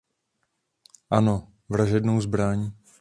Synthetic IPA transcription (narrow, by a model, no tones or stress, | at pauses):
ʔano | vɾaʒɛdnowzbɾaɲi